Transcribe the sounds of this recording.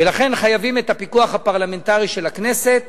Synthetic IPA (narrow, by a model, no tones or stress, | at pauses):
velaχe̞nχajavime̞t̪apikuaχhapaʁlame̞ntaʁiʃelakne̞se̞t̪